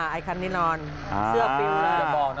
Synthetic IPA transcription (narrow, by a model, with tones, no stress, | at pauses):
a˧˩ʔaː˧jkʰa˧nːiː˦˥nɔː˧n | sɯ˥˩ɐpi˧nːa˧˦a˧˩bɔː˨˩k̚